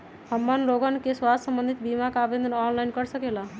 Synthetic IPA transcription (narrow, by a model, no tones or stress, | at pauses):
həmːənloɡənkeswasəmbə̃nd̪ʱit̪̚bimakabẽnd̪ʱənɔnlajnkəɾsəkela